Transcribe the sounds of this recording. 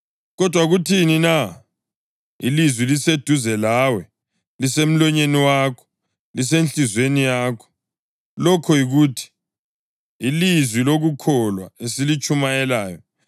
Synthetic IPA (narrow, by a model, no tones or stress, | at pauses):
ɣɔd̥ʱwaɣutʰinina | ḭlizwilised̥ʱuzɛlaːwɛ | lisem̩lɔɲeniwaːkʰɔ̥ | lis̬enɬizwenijaːkʰɔ̥ | lɔkʰɔjiɣuːtʰi̥ | lizwiloɣukʰɔlwaesilit͡ʃʼumajɛlaːjɔ